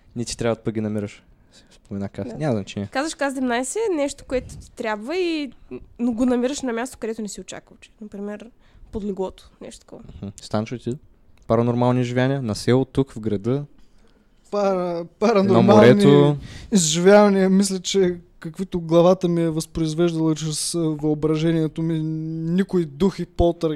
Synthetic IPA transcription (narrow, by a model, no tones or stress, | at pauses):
nɛt̪i̥t̪ɾʲabvəd̪̚pəɡʲinɐmiɾəʃ | sɛ̥spomɛnakasnʲamɐznɐt͡ʃɛnʲiəkazvɐʃkazd̪ɛmnajsɛnɛʃt̪o̥koɛt̪ʊ̥t̪i̥t̪ɾʲabvəinoɡonɐmiɾəʃnɐmʲast̪okɐd̪ɛt̪ʊnɛsiot͡ʃa̰kvɐt͡ʃɛ̥nɐpɾimɛɾ | pod̪lʲiɡlˠɔt̪o̥nɛ̰ʃt̪ot̪kɔ̰vɐm̩hm̩st̪anɐʃot̪i | pɐɾɐnoɾmalˠniʒivʲjaniənɐsɛlˠt̪ukvɡɾɐd̪ɤ | paɾəpɐɾɐnoɾɐmmaolɾɛnioizʒivʲavɐniəmis̬lʲət͡ʃɛ | kɐkvit̪ʊɡlˠɐvat̪əmiɛvɐspɾoizvɛʒd̪ɐlˠɐt͡ʃɾɛsvɐobɾɐʒɛniɛt̪ominʲikʊid̪uxipɔlˠt̪əɾ